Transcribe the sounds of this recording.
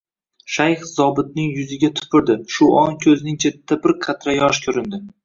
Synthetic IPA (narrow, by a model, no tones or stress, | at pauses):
ʃajχzɒbɪt̪̚nɪŋjʊzɪɡʲat̪ʰʊ̥pʰɪɾd̪ɪʃʊʔɒŋkʲʰɵznɪŋt͡ʃʰe̞t̪ʰːabɪɾqʰɑt̪ɾajɒʃkʲʰɵɾɪnd̪ɪ